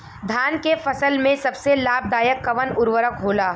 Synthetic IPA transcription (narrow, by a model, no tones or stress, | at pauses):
d̪ʱaːnkefɐsəlmẽsɐbselaːb̚d̪aːjəkːɐʋənʊɾʋəɾək̚ɦoːlaː